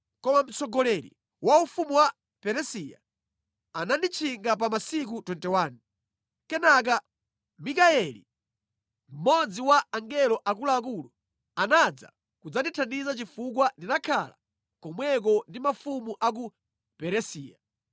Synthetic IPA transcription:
kɔmam̩sɔɡɔlɛɾḭ | waufumuwa | pɛɾɛsia̰ | anandit͡ʃʰiŋɡap̬amasik̬utɔntɛwaːnu | kɛnak̬a | mikaɛlḭ | m̩mɔd͡ziwaaŋɡɛlɔʔak̬ulaːk̬ulɔ | anad͡za̰ | kud͡zatitʰandizat͡ʃifuk̬wandinakʰala̰ | kɔmwɛk̬ɔndimafumuʔak̬u | pɛɾɛsiːja̰

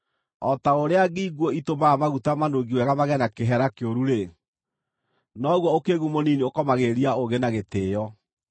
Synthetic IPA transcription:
ɔtaoɾeaɣiiɣwɔitomaamaɣutamanoɣiwɛɣamaɣɛnakeɦɛɾakeoɾuɾe | nɔɣwɔokeɣumoniniokɔmaɣeɾiaoɣenaɣeteːjɔ

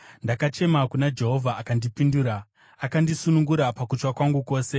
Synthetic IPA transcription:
ndakat͡ʃe̞makunad͡ʒe̞ɦo̞vʱaːkandipinduːɾa | akandisunuŋɡuɾapakut͡ʃwakwaŋɡuko̞ːse̞

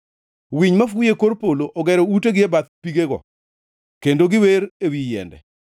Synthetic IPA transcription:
wiɲmafʊjekoɾpoloʔɔɡɛɾɔuteɡɪɛbat̪piɡeɡɔ̰ | kendoɡɪweɾewijɛ̰ndɛ̰

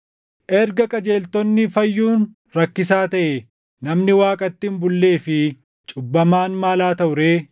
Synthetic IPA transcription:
ʔɛɾɡɐkʼɐd͡ʒe̞ːlt̪ɔnːɪfɐjːuːn | ɾɐkːɪs̬aːt̪ɐʔɛ | nɐmnɪwaːkʼɐt̪ːɪmbʊlːe̞ːfɪ | t͡ʃʼʊbːɐmaːnmaːlaːt̪ɐʔʊɾeː

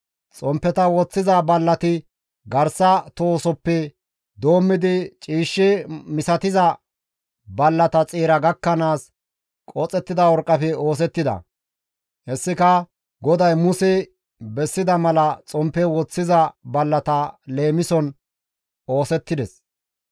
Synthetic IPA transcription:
t͡sʼɔmpːɛt̪ɐwɔt͡sːɪzɐbɐlːɐt̪ɪ | ɡɐɾsɐt̪oːsɔpːɛ | d̪o̞ːmːɪd̪ɪt͡ʃʼiːʃːɪmɪsɐt̪ɪzɐ | bɐlːɐt̪ɐt͡sʼiːɾɐɡɐkːɐnaːs | kʼɔt͡sʼɛt̪ːɪd̪ɐwɔɾkʼːɐfɛo̞ːs̬ɛt̪ːɪd̪ɐ̰ | hɛsːɪkɐ | ɡɔd̪ɐjmʊsɛ | bɛsːɪd̪ɐmɐlɐt͡sʼɔmpːɛwɔt͡sːɪzɐbɐlːɐt̪ɐle̞ːmɪsɔn | o̞ːsɛt̪ːɪd̪ɛs

